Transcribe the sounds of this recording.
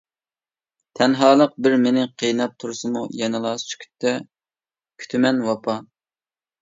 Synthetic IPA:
t̪ʰɛnɦɑːlˠəq̚bɪɾmenɪqʰijnɑp̚t̪ʰuɾsɨmujɛnɨlˠɑst͡ʃʰy̥kʲʰy̥t̪ʰːɛ | kʲʰy̥t̪ʰmɛnwɑpʰɑ

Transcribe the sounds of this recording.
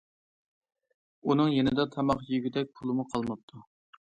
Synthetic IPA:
unɨŋjenɪd̪ɑt̪ʰɑmɑχjyɡʲyd̪ɛk̚ʲpʰulˠɨmuqʰɑlˠmɑp̚t̪ʰu

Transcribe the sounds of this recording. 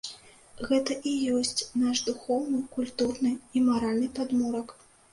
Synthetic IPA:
ɣɛt̪ɐʔijɔsʲt͡sʲnaʂd̪uxɔwnɨkulʲt̪urnɨimaɾalʲnɨpad̪mɔɾɐk

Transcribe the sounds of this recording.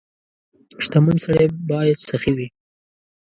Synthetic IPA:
ʂt̪amənsaɽebɑjad̪saxiwi

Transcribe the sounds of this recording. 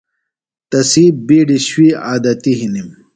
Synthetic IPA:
t̪ɐsiːbiːɖiɕwiaːd̪ɐt̪iɦinim

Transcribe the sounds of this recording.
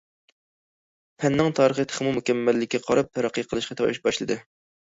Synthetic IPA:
pʰɛnːɪŋt̪ʰɑːɾəχət̪ʰə̥χmumukʲɛmːɛlːɪkʲːɛqʰɑɾɑp̚t̪ʰɛɾɑqʰːijqʰəlˠɨʃqɑt̪ʰɛiʃbɑʃlˠɨd̪ɨ

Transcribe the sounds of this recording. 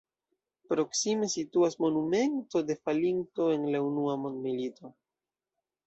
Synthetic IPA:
pɾo̞ksime̞situasmo̞nume̞nto̞de̞falinto̞e̞nlaunuamondmilito̞

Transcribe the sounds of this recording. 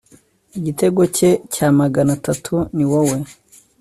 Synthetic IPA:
iɟite̞ɡo̞ce̞caːmaɡanatatʰuniwowe̞

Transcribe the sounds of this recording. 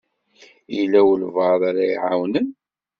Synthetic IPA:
ilːæwəlvəðˤaɾajiʕawnən

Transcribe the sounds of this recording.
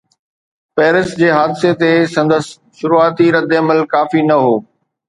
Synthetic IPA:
pɛːɾɪsd͡ʑeːɦaːd̪ɪset̪esɐ̃nd̪əs | ʃʊɾuaːt̪iɾɐd̪eɐməlkaːfinɐɦoː

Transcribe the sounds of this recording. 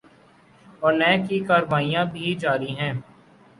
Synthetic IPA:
ɔːɾnɛːkikaːɾʋaːijãbʱid͡ʒaːɾiɦɛ̃ː

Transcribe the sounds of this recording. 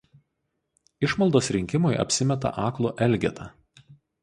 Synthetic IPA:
ɪʃmɐlˠd̪oːsɾʲɪŋʲkʲɪmʊjʔɐ̰pʲsʲɪmʲɛt̪ɐ̰ʔɑːklˠoːʔɛlʲˑɡʲɛ̰t̪ʰɐ

